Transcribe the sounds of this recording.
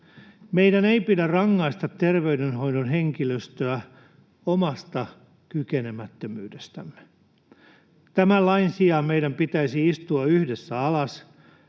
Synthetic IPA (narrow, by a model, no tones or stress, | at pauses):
meidæneipidærrɑŋːɑist̪ɑt̪ːerʋeydenɦo̞jdonɦeŋkiløst̪øæ | omɑst̪ɑ | kykenemæt̪ːømy̰ːdest̪æmːe̥ | t̪æmælːɑinsiɑmeijdæmpit̪æisiist̪uɑyhdesːæɑlɑs